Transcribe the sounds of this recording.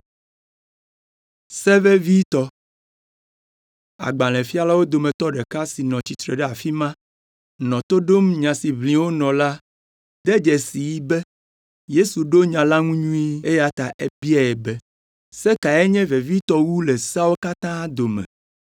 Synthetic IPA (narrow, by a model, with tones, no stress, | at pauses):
sɛ˦vɛ˦vi˦t̪ɔ˦ | a̰˨ɡ͡bã˨lɛ̃˨fi˦a˦la˦wo˦d̪o˨mɛ̃˨t̪ɔ˦ɖɛ˨ka˦si˨nɔ̃˨t͡ɕi˨t̪ɾɛ˨ɖɛ˦a˨fi˦mã˦ | nɔ̃˨t̪o˦ɖo˦mɲã˨si˨βlĩ˨wo˦nɔ̃˨la˦ | d̪ɛ˦d͡ʒɛ˨si˨ji˦bɛ˦ | je˦su˨ɖo˦ɲã˨la˦ŋũ˦ɲũ˦i˦e˦ja˦t̪a˨ʔe˦bi˦a˨ɛ˨bɛ˦ | sɛ˦ka˨ɛ˦ɲɛ̃˦ve˨vi˦t̪ɔ˦wu˦le˨sa˦wo˦ka˦t̪ã˦d̪o˨mɛ̰̃˨